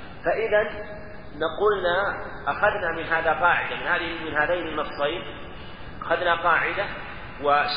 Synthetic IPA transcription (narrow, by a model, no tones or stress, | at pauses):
faʔɪðanː | aquːlna | ʔaxaðnamɪnɦaːðaqɑːʕɪ̰d̪amɪnhaːmɪnɦaːðajnɪnːɑsˤɑjn | ʔaxaðnaqɑːʕɪd̪a | wɪʃ